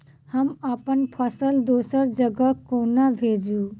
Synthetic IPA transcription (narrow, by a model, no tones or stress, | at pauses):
həməpənpʰəsəld̪osəɾd͡ʒəɡəkːonabʱed͡ʒu